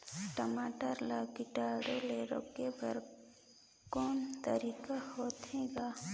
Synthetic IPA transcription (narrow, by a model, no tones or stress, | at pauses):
ʈəmaːʈəɾlakɪʈaːɖoleɾo̰ːkːebəɾ | kɔːnt̪əɾiːkahoːt̪ɦeːɡaː